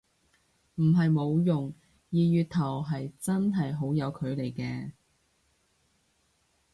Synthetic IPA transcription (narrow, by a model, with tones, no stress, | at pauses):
m̩˨˩ɦɐ˨jmo˨˧wjʊ˨ŋ | jiː˨jyː˨˧t̪ʰɐ˨˩wɦɐ˨jt͡sɐ˥nɦɐ˨jɦo˨˥wjɐ˨˧wkʰɵ˨˧ɥle˨˩jkɛː˧